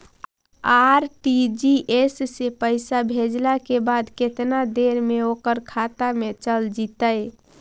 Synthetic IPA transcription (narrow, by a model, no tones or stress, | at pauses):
aɾʈid͡ʒiʔesːepəɪsabʱed͡ʒlakebad̪ket̪nad̪eɾmeokəɾkʰat̪amet͡ʃəld͡ʒit̪əj